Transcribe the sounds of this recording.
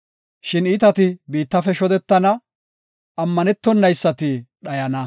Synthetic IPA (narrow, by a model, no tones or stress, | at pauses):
ʃɪnit̪ɐt̪ɪbiːt̪ːɐfɛʃɔd̪ɛt̪ːɐnɐ | ʔɐmːɐnɛt̪ːɔnːɐjsːɐt̪ɪɗɐjɐnɐ